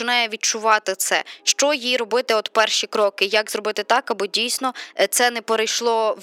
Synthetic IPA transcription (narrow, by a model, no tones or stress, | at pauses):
ɪnɑjɛʋʲid̚t͡ʃʊʋɑt̪ɪt̪sɛ̰ʃt͡ʃɔjiɾɔbɪt̪ɪɔt̪pɛrʃikɾɔkɪjɐkzɾɔbɪt̪ɪt̪ɑkɐbɔdʲijsʲnɔt̪sɛnɛpeɾɐjʃlˠɔ